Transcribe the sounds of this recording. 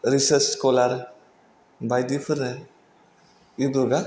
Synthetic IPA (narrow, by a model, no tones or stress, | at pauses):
ɾisəɾt͡ʃːkɔlaɾ | bajdipʰɯɾnɯ | ibɯɡa